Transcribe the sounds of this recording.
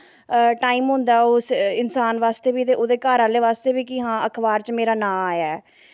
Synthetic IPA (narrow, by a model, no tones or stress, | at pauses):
ʈaːiːmɦʊ̃nd̪aːoːsɪnsaːnʋaːst̪eːbiːt̪eːʔoːd̪eːkaːɾaːlːeːʋaːst̪eːbiːkɪɦãːəkʰbaːɾt͡ʃmeːɾaːnãːaːjɛː